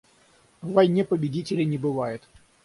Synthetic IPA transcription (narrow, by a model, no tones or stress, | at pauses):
vɐjnʲepəbʲɪdʲitʲɪlʲɪnʲɪbɨvajʊt̪